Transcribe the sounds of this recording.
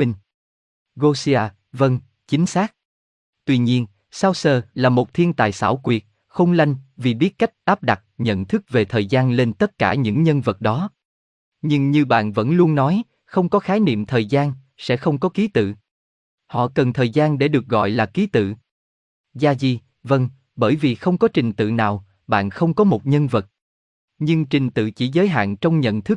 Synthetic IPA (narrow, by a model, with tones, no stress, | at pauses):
i˧ŋ | ɣo˧si˧aː˧ | və˧n | t͡ɕï˨˦ŋ̟saː˦˥k̚ | t̪wi˧ɲi˧ən | saː˧wsəː˧˩laː˨˩mo˨˩t̚t̪ʰi˧ənt̪a̰ː˧˨jsa̰ː˧˩wkwi˨˩ət̚ | xə˧wŋ͡mla˧jŋ̟vi˨˩ɓi˦˥ət̚ka˦˥jk̟̚ʔaː˦˥p̚ɗa˨˩t̚ɲə̰˧˨nt̪ʰɨ˦˥k̚ve˨˩t̪ʰəː˨˩jzaː˧nle˧nt̪ə˦˥t̚kaː˧˩ɲɨ̰˧˥ŋɲə˧nvə˨˩t̚ɗɔ˨˦ | ɲɨ˧ŋɲɨ˧ɓa̰ː˧˨nvə̰˧˥nlu˧ənnɔ˨˦j | xə˧wŋ͡mkɔ˨˦xaː˨˦jnḭ˧˨əmt̪ʰəː˨˩jzaː˧n | sɛ̰˧˥xə˧wŋ͡mkɔ˨˦ki˨˦t̪ɨ̰˧˨ | hɔ̰˧˨kə˨˩nt̪ʰəː˨˩jzaː˧nɗe˧˩ɗɨ˨˩ək̚ɣɔ̰˧˨jlaː˨˩ki˨˦t̪ɨ̰˧˨ | zaː˧zi˨˩ | və˧ŋ | ɓəː˧˩jvi˨˩xə˧wŋ͡mkɔ˨˦t͡ɕï˨˩ŋ̟t̪ɨ̰˧˨naː˨˩w | ɓa̰ː˧˨nxə˧wŋ͡mkɔ˨˦mo˨˩t̚ɲə˧nvə˨˩t̚ | ɲɨ˧ŋt͡ɕï˨˩ŋ̟t̪ɨ̰˧˨t͡ɕḭ˧˩zəː˨˦jɦa̰ː˧˨nt͡ɕɔ˧wŋ͡mɲə̰˧˨nt̪ʰɨ˦˥k̚